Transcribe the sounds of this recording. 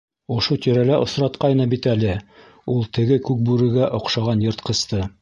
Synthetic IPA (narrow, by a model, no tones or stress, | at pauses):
ŏʃot̪iɾælæʔŏ̰sɾɑt̪qɑjnɤbit̪ælɘ | ulˠt̪ɘ̆ɡɘkʉk̚bʉɾɘ̆ɡæʔŏqʃɑʁɑnjŏɾt̪qɤ̆st̪ɤ